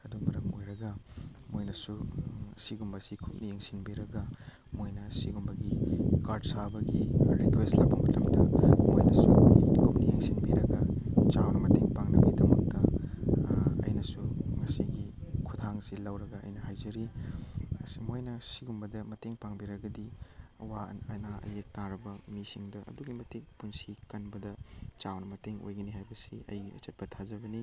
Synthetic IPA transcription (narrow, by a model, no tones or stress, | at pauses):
ɐdumɐɾɐmojɾɐɡɐmojnɐsusiɡumbɐsikʰup̚nijeŋsinbiɾɐɡɐ | mojnɐsiɡumbɐɡikaɾdsabɐɡiɾikwestlɐwbɐmɐlɐmdɐmojnɐsukʰupnijeŋsinbiɾɐɡɐt͡ʃawnɐmɐteŋpaŋnɐbidɐmɐk̚tɐ | ɐ̰jnɐsuŋɐsiɡikʰudʱaŋsilɐwɾɐɡɐɐ̰jnɐhajzɐɾi | ɐsimojnɐsiɡumbɐdɐmɐteŋpaŋbiɾɐɡɐdiɐwaɐnaʔɐ̰jek̚taɾɐbɐmisiŋdɐʔɐ̰duɡimɐtikpunsikɐnbɐdɐt͡ʃawnɐmɐteŋo̰jɡɐniɦajbɐsiɐ̰jɐ̰t͡ʃɐt̚pɐtʰazɐbɐni